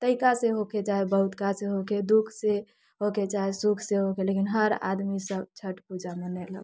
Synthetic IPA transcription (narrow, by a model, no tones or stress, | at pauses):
t̪əikaseɦoked͡ʒaebəɦut̪kaseɦoked̪ukʰse | ɦoked͡ʒaesukʰseɦokelekinɦəɾa̰d̪misəb̚t͡ʃʰəʈpud͡ʒamenɛlə̰ɡ